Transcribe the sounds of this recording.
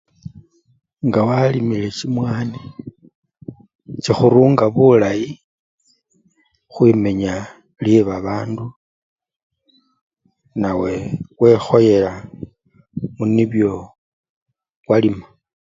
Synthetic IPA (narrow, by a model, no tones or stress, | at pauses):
ŋɡawalimile̞t͡ʃimwaːne | t͡ʃixuɾuːŋɡaβulaji | xwime̞ɲa | ljeβaβaːndu | nawe̞ɣwe̞xo̞je̞la | muniβjo̞ | walima